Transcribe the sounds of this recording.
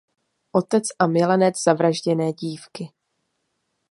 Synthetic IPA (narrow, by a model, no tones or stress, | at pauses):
ʔo̞t̪ɛt͡sʔamɪlɛnɛt͡sz̥avɾaʒɟɛnɛːɟiːfkɪ